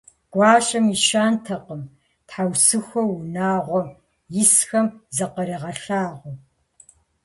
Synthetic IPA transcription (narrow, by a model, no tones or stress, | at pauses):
ɡ̥ʷɑːɕʼɐmiʃaːntʰɐqəm | tħawsɨxʷɔwunaːʁʷɔ | jɪsxɐmzɐqɐɾiːʁɐɬaːʁʷɔ